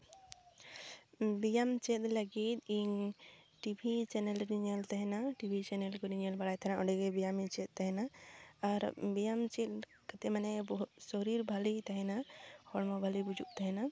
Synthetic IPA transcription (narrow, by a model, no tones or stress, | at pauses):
bijamt͡ʃɛt̪̚ləɡit̪̚iɲ | ʈibʱit͡ʃɛnɛlɾiɲɛlt̪ɛɦɛnaʈibʱit͡ʃɛnɛlkɔɾiɲəlbaɽajt̪ʰanaɔ̃ɖɛkɛbijamit͡ʃɛt̪̚t̪ɛɦɛnaː | ɾbijamt͡ʃɛt̪̚ | kat̪ɛmanɛbɔɦut̪sɔɾiɾbʱalit̪ɛɦɛnahʰɔɽmɔbʱalibud͡ʒuʔ̚t̪ɛɦɛna